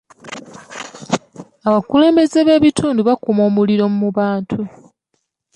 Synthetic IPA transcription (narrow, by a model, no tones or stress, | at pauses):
aβakule̞ːmbe̞ze̞βe̞ːβitʰuːnduβakumo̞ːmuliɾo̞mumuβaːntʰu